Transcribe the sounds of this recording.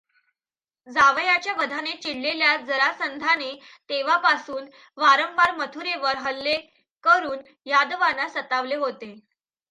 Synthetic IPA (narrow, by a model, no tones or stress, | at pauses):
d͡zaʋjat͡ɕjaʋəd̪ʱanet͡ɕiɽːeljad͡zəɾasənd̪ʱanet̪eʋ̤apasuːn | ʋaɾəmbaɾmət̪ʰuɾeʋəɾɦəlːe | kəɾuːn | jad̪ʋanasət̪aʋleɦot̪e